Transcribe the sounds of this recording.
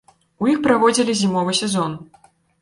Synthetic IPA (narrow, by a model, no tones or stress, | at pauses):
ujixpɾavɔd͡zʲilʲizʲimɔvɨsʲɛzɔn